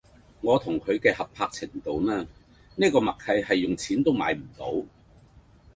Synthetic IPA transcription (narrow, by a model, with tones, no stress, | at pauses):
ŋɔː˨˧t̪ʰʊ˨˩ŋkʰɵ˨˧ɥkɛː˧hɐ˨pʰaː˧k̚t͡sʰɪ˨˩ŋt̪o˨wmɛː˥ | niː˥kɔː˧mɐ˨k̚hʰɐ˨˧jhɐ˨jːʊ˨ŋt͡sʰiː˨˥nt̪o˥wma̰ː˨˥jm̩˨˩t̪o̰˨˥w